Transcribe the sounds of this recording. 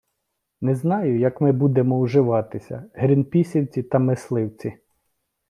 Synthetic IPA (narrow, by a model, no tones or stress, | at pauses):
nɛznɑjʊjɐkmɪbud̪emɔuʒɪʋɑt̪ɪsʲɐ̰ɦɾʲinpʲisʲiwt͡sʲit̪ɐmɪslˠɪwt͡sʲi